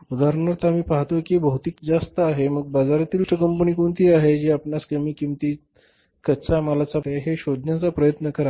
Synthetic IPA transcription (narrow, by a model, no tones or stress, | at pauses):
ud̪aɾɳəɾt̪amiːpaɦt̪okibəɦut̪iːkd͡zast̪əaɦeməɡ̚bad͡zaɾat̪iːlʈəkəmpəniːkoɳt̪iːaɦed͡ʑeapnaskəmiːkimt̪iː | kət͡samalat͡saeɦeɕod̪ʱnjat͡sapɾəjət̪nəkəɾa